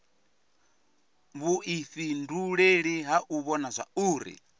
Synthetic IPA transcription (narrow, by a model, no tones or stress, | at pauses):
βuʔifinduɺeɺiɦaʔuβɔnazʷa̰uːɾḭ